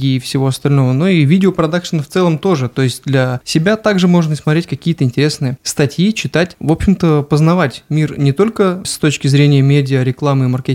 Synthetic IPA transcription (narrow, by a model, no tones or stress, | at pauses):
ɡʲɪfsʲɪvo̞ɐst̪ɐlʲno̞vəno̞ivʲidʲɪopɾɐd̪akʂɨnft̪sɛlˠəmt̪o̞ʐɨt̪o̞jɪsʲt̚ʲd̪lʲasʲɪbʲat̪aɡʐɨmo̞ʐnəsmɐt̪ɾʲetʲkɐkʲijət̪əɪnʲtʲɪɾʲesnɨjəst̪ɐtʲjit͡ɕɪt̪atʲvo̞pɕɪmt̪əpəznɐvatʲmʲirnʲɪt̪o̞lʲkəst̪o̞t͡ɕkʲɪzɾʲenʲɪjəmʲedʲɪəɾʲɪklˠamɨɪmɐrkʲe